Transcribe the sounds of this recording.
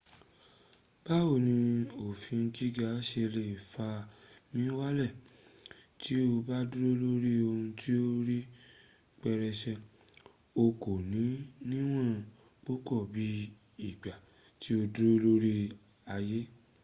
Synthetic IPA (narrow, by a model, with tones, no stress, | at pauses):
b̥a˦o˦˨nĩ˧o˨fĩ˧n̩˧d͡ʒi˦ɡa˨˦ʃe˧le˧˨fa˧mĩ˦wa˦lɛ˦˨ | tʰi˦o˧ba˦du˦ɾo˦lo˦ɾi˦o˧hũ˧tʰi˦o˦ɾi˦ | k͡pɛ˧ɾɛ˧ʃɛ˧ | o˧ko˨nĩ˨˦nĩ˦w̃ã˦˨ | k͡pu˦kɔ˦˨bi˧˦ | i˨ɡ͡ba˨ | ti˦o˧du˦o˦lo˦ɾi˦ | a˧je˦